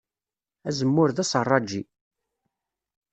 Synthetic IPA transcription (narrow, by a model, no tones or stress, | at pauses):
æzəmːʊɾðæsrˤːɑd͡ʒi